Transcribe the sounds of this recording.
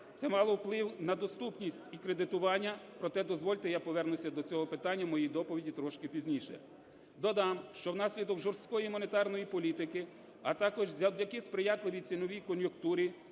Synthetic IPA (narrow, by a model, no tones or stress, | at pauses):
t̪sɛmɑlˠɔwplˠɪwnɐd̪ɔst̪upnʲisʲtʲikɾed̪ɪt̪ʊʋɑnʲːɐpɾɔt̪ɛd̪ɔzʋɔlʲt̪ɪjapɔʋɛrnʊsʲɐd̪ɔt͡sʲɔɦɔpɪt̪ɑnʲːɐmɔjijd̪ɔpɔʋʲidʲit̪ɾɔʃkɪpʲizʲnʲiʃɛ̰ | d̪ɔd̪ɑmʃt͡ʃɔwn̪ɑsʲlʲid̪ɔɡʒɔrst̪̚kɔjimʊnet̪ɑrnɔjipɔlʲit̪ɪkɪ | ɐt̪ɑkɔʒzʲɐwdʲɐkɪspɾɪjɑt̪lˠɪʋʲit͡sʲinɔʋʲijkɔnjʊkt̪uɾʲi